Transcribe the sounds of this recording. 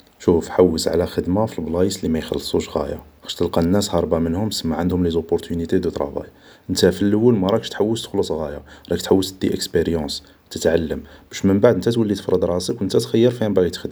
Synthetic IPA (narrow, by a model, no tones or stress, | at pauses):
ʃufħawːəsʕ̰læxəd̪mafilblɑjəslimæjxɑ̰lːsˤuʃɣæ̰ja̰xæ̥ʃt̪əlqɑnːæshɑɾˤbɑmənhʊmsəmːaʕand̪hʊmlizopːoɾt̪ʰynit̪ed̪ut̪ɾˤɑ̰bæ̰j | ʔənt̪æfilːəwːəlmæɾˤɑkə̥ʃt̪ħawːəst̪ə̥xlusˤɣæjaɾˤɑkt̪ħawːət̪d̪ːiʔəkspeɾjɑ̃s | t̪ət̪ʕalːəmb̥æʃməmbaʕd̪ənt̪æt̪wəlːit̪ə̥fɾˤəd̪ɾˤɑsəknt̪æt̪xæjːəɾˤfihæmbæit̪xəd̪